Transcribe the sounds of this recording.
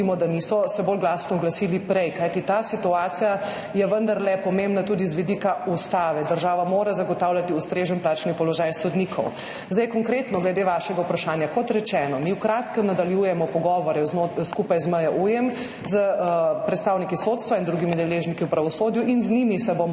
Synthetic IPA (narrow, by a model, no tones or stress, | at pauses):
imɔd̪anisɔsɛbolɡlasnɔːɡlasilipɾɛjkajt̪it̪asit̪uaːt̪sija | jɛʋənd̪aɾlɛpɔmẽmbnat̪ud̪izʋid̪ikaust̪aːʋɛd̪əɾʒaːʋamoːɾazaɡɔt̪aːwljat̪iust̪ɾeːʒənplaːt͡ʃnipɔlɔʒajsɔd̪nikʰɔw | zd̪ɛjkɔŋkɾet̪nɔɡlɛd̪eːʋaʃɛɡaupɾaʃaːnjakɔt̪ɾɛt͡ʃɛːnɔmiwkɾat̪kəmnad̪aljujɛmɔpɔɡɔʋɔɾɛznoskupajzməjaʔujɛm | zəpɾɛt̪st̪aːwnikisot̪st̪ʋaind̪ɾuɡimid̪ɛleːʒnikiuwpɾaʋɔsoːd̪juʔinznimisɛbom